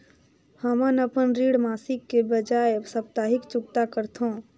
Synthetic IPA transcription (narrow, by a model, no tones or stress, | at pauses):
həmənəpənɾiɽmaːsikːebəd͡ʒaesəpt̪aɦikt͡ʃʊkt̪akəɾt̪ʰõ